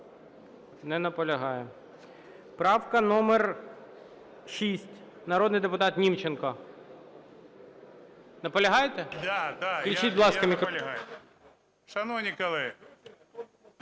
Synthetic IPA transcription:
nɛnɐpɔlʲɐɦɑjɛ | pɾɑwkɐnɔmer | ʃisʲtʲ | nɐɾɔd̪nɪjd̪epʊt̪ɑt̪nʲimt͡ʃenkɐ | nɐpɔlʲɐɦɑjt̪ɛad̪alʲit͡ʃit̚ʲblˠɑskɐmʲikʲɦ | ʃɐnɔnʲɪkɐlˠɪ

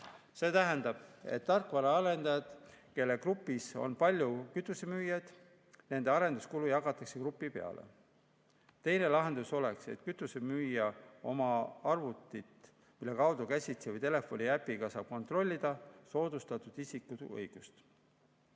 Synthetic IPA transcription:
se̞ːt̪æɦænd̪̥ɑb̥e̞̰t̪ːɑrkːˑvɑɾɑɑɾe̞nd̪ɑjɑd̪̥ke̞lːe̞krupːˑiso̞̰npɑlʲjukyt̪ːˑuse̞myːjɑjd̪̥ | ne̞nd̪̥e̞ɑɾe̞nd̪u̥skulujɑɡɑt̪ːˑɑkse̞krupːˑipe̞ɑ̰lʔḛ | t̪e̞jne̞lɑɦe̞nd̪uso̞lekse̞̰t̪kyt̪ːˑusemyːjɑo̞mɑɑrvut̪ːˑit̪ | milːe̞kɑwd̪okæsʲit̪sevɤjt̪e̞le̞fo̞nʲiæpːˑiɡ̥ɑsɑːb̥ko̞nt̪ro̞lʲːid̪̥ɑso̞ːd̪̥ust̪ɑt̪ːˑud̪̥isikːuɤ̰jɡ̥ust̪

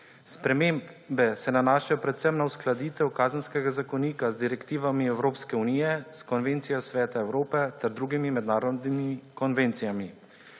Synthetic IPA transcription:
spɾɛmeːmbɛsɛnanaːʃajɔpɾɛt̪sɛmnausklad̪iːt̪ɛwkaːzənskɛɡazakɔniːkazd̪iɾɛkt̪iːʋamiɛwɾoːpskɛuniːjɛskɔnʋeːnt̪sijɔsʋɛːt̪aɛwɾoːpɛt̪ɛɾd̪ɾuːɡimimɛd̪naːɾɔd̪nimikɔnʋent̪sijami

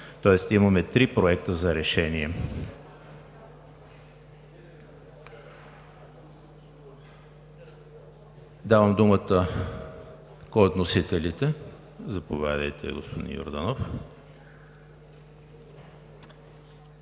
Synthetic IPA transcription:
t̪ɔɛst̪imɐmɛt̪ɾipɾoɛk̚t̪əzɐɾɛʃɛniɛ | d̪avəmd̪umət̪ə | koot̪nosit̪ɛlit̪ɛ | zɐpovʲjad̪əjt̪ɛ̰ɡospod̪ḭnjo̰ɾd̪ənof

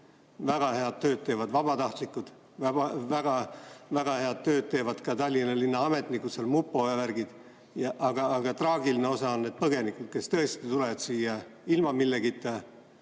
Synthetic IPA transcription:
væɡ̥ɑhe̞ɑd̪̚t̪ø̞ːd̪̚t̪e̞ːvɑd̪vɑbɑt̪ɑht̪likːˑud̪̥ | væbɑvæɡ̥ɑvæɡ̥ɑhe̞ɑd̪̥̚t̪ø̞ːd̪̥̚t̪e̞ːvɑd̪̥kɑt̪ɑlʲːinɑlinːɑɑme̞t̪ˑnikuselmupːˑojɑværɡid̪̥ | jɑʔɑɡ̥ɑːɡ̥ɑt̪rɑːɡiline̞o̞sɑonːed̪̚pɤɡe̞nikud̪̥ke̞st̪ɤe̞st̪it̪ule̞ɑd̪̥siːjɑilmɑmilːeɡ̥it̪ːˑe

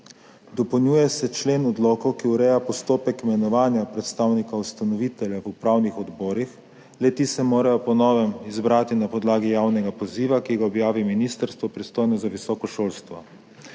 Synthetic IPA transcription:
d̪ɔpɔwnjuːjɛsɛt͡ʃleːnɔd̪lɔːkɔwkiuɾɛjapɔst̪oːpɛkmɛnɔʋaːnjapɾɛt̪st̪aːwnikaust̪anɔʋit̪ɛljaʋupɾawnixɔd̪bɔːɾix | lɛt̪isɛmoːɾajɔpɔnɔːʋɛmizbɾaːt̪inapɔd̪laːɡijaːwnɛɡapɔziːʋakiɡaɔbjaːʋiminiːst̪əɾst̪ʋɔpɾist̪ojnɔzaʋisɔːkɔʃoːlst̪ʋɔ

